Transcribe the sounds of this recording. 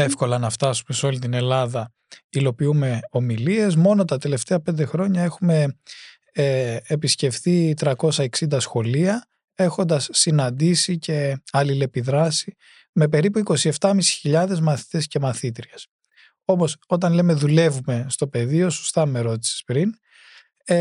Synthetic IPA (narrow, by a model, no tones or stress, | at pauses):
efko̞lɐnɐft̪ɐsume̞seo̞lit̪ine̞lɐðɐ | ilo̞piume̞o̞milie̞zmo̞no̞t̪ɐt̪e̞le̞ft̪e̞ɐpe̞nd̪exɾo̞ɲɐe̞xume̞ | pisce̞fθit̪ɾɐko̞sɐeksind̪ɐsxo̞liɐ | e̞xo̞nd̪ɐsːinɐnd̪isice̞ɐlile̞piðɾɐsi | me̞pe̞ɾipuiko̞sie̞ft̪ɐmisi̥çiʎɐðe̞zmɐθi̥t̪e̞sce̞mɐθit̪ɾiɐs | o̞po̞so̞t̪ɐnle̞me̞ðule̞vume̞st̪o̞pe̞ðio̞so̥st̪ɐme̞ɾo̞t̪i̥se̥spɾin